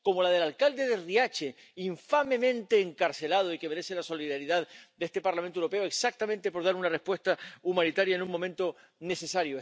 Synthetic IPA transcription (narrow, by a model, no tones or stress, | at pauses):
ko̞mo̞lað̞e̞lalkald̪e̞ðeriat͡ʃe̞ | iɱfame̞mẽ̞nt̪e̞ːŋkaɾse̞lað̞o̞ike̞me̞ɾe̞se̞laso̞liðaɾiðaðd̪eest̪e̞paɾlam̃newɾo̞pe̞oeksak̚t̪amẽnt̪e̞po̞ɾðaɾunare̞spwe̞st̪aumãnit̪aɾjaenũŋmːo̞mẽ̞nt̪o̞ | ne̞se̞saɾjo